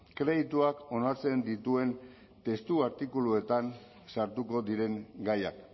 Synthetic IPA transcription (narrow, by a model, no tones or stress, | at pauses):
kɾe̞ðit̪uako̞naɾt͡se̞nd̪it̪ue̞n | t̪e̞st̪uaɾt̪ikulue̞t̪an | saɾt̪uko̞ðiɾe̞ŋɡaja̰k